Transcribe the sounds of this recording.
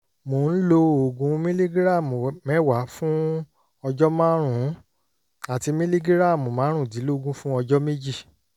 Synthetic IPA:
mo˨n̩˦lo˧o˨ɡũ˧˦mĩ˦li˦ɡi˦ɾa˦˨mo˨mɛ˨˦˨wa˨˦fũ˦ | ɔ˧d͡ʒɔ˦mãː˦ɾ̃ũ˨˦ | a˨ti˧mĩ˦li˦ɡi˦ɾa˦˨mo˨mã˨˦ɾ̃ũ˦˨di˨˦lo˦˨ɡũ˦fũ˦ɔ˧d͡ʒɔ˦me˦d͡ʒi˦˨

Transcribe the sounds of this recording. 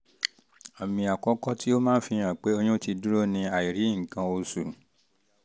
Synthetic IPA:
a˨mĩ˧a˨kɔ˨˦kɔ˦tʰi˦o˦mãː˦n̩˦fĩ˧ã˨k͡pe˨˦o˧ɲ̃ũ˦ti˧du˦ɾo˦nĩ˧a˨i˨ɾi˨˦ŋ̩˨kã˧o˧su˨

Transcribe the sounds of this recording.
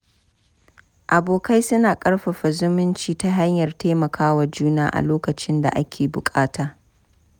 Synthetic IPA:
ʔa˨boː˨ka˦jsʊ˦naː˨kʼɐ˦ɽɸɐ˨ɸa˨zʊ˦mʊ˦nt͡ʃiː˨ta˦ɦa˦ɲjɐ˨rtaː˦mɐ˨kaː˦wa˨d͡ʒuː˦naː˦ʔa̰˨loː˦kɐ˨t͡ʃɪ˦nda̰˨ʔa˦kʲʰeː˨bʊ̰˨kʼaː˦taː˨

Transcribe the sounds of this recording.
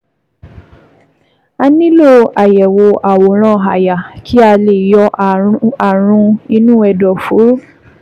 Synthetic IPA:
a˧nĩ˦lo˦˨a˨jɛ˨wo˧ʔa˨wo˨˦ɾ̃ã˦˨ɦa˨ja˨kʰi˦a˧le˨jɔ˧ | a˨ɾ̃ũ˧i˧nũ˦ɛ˧˨dɔ˨fu˨˦

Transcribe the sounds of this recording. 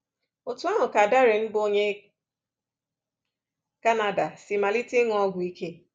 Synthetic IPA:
o˨tu˨˦a˦ɦʊ˨ka˨da˦ɾɪ˨m̩˦bo˦ɲe˦ | ka˦na˦da˨si˨ma˨li˦te˦ŋ˦ɔ˦ɡʷʊ˨i˦kʰe˦

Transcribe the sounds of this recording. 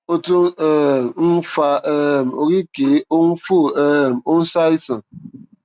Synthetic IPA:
o˦to˦ŋɛ˨mm̩˦fa˦ʔɛ˨mo˨ɣi˦ke˨˦o˦n̩˦fo˦˨ɛ˦˨mo˦n̩˦sa˦i˦sa˨

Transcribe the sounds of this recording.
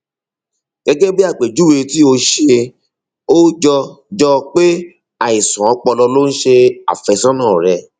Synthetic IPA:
ɡ̥ɛ˧ɡɛ˦bi˦a˦˨k͡pe˨d͡ʒu˦we˧ti˦o˧ʃe˧ | o˦d͡ʒɔ˧d͡ʒɔ˧k͡pe˦ | a˨i˨sã˨ɔ˨˦k͡pɔ˧lɔ˧lo˦ñ̩˦ʃe˧a̰˨fɛ˧sɔ̃˦nãː˦˨ɾɛ˧

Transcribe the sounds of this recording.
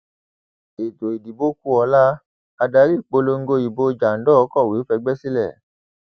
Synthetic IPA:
e˨to˨i˨di˨bo˦ku˦ɔ˧la˦ | a˧da˧˦ɾi˦˨k͡po˨˦lo˧ŋ̩˦ɡo˧i˨bo˧˦˧d͡ʒa˨n̩˦dɔ˦˨˦kɔ˦˨wi˨˦fɛ˧ɡ͡bɛ˦si˦lɛ˦˨

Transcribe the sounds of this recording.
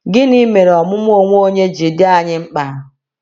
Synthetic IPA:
ɡɪ˦ni˦me˨ɾe˨ɔ˨mʊ˦m˦o˦ŋʷ˦o˦ɲe˦d͡ʒi˨dɪ˦a˨ɲɪ˦ŋ͡m̩˦k͡pa˨

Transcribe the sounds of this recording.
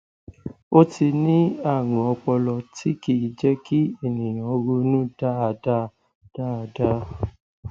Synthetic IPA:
o˦ti˧nĩ˦a˦˨ŋã˨ɔ˧k͡pɔ˧lɔ˧ti˦ki˦˨i˨d͡ʒɛ˦ki˦e˦˨nĩ˨j̃ã˨o˧ɾo˧nũ˦d̥a˦a˧da˦ | d̥a˦˨a˧da˦

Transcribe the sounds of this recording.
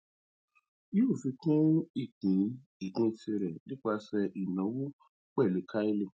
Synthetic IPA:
o˦˨fi˧kũ˦i˦˨kĩ˨˦ | i˨kĩ˧ti˧ɾɛ˨nĩ˦k͡pa˧sɛ˧ʔi˨nɔ̃˨˦wu˦ | k͡pɛ˦˨le˨˦kʰa˦i˦le˧˨

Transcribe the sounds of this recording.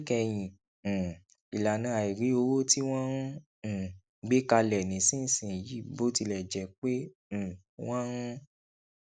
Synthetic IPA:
kɛ˧j̃ĩ˨ | i˨la˨nã˨˦a˨i˨ɾi˨˦o˧wo˦ti˦w̃ɔ̃˦˨ | ɡ͡be˦ka˧lɛ˨nĩ˨sĩ˦˨sĩ˨ji˨˦˨bo˦ti˧lɛ˨d͡ʒɛ˨k͡pẽ˦˨ | w̃ɔ̃˦

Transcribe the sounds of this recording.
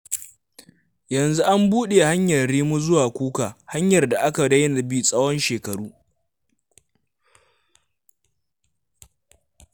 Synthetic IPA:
jɐ˨nzu˦ʔa˦mbuː˦ɗe˨ha˦ɲjɐ˨ɽiː˦mu˦zʊ˦waː˨kʷuː˦kaː˨ha˦ɲjɐ˨rda˨ʔa˦ka˨dɐ˦jna˨bi˦sʼɐ˦wɔ˦nʃeː˨kɐ˨ɽuː˦

